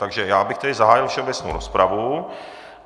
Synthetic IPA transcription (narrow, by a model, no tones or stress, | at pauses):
t̪aɡʒɛjaːbɪxt̪ɛdɪzaɦaːjɪlfʃɛobɛt͡sno̰wɾospɾʔavu